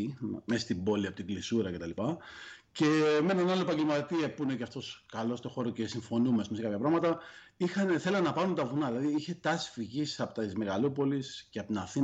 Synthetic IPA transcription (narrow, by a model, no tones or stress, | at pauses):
messt̪ibo̞liɐpo̞t̪iŋɡlisuɾɐce̞t̪ɐlipɐce̞menɐnɐloepɐɲɟe̞lmɐt̪iɐpuineceɐft̪o̞skɐlo̞st̪o̞xo̞ɾoce̞siɱfo̞numespumskɐpçɐpɾɐɣmɐt̪ɐ | ixɐneθe̞lɐnnɐpɐɾunt̪ɐvunɐðilɐðiiçe̞t̪ɐsi̥fiʝisɐpot̪izme̞ɣɐlupo̞lisceɐpot̪nɐθi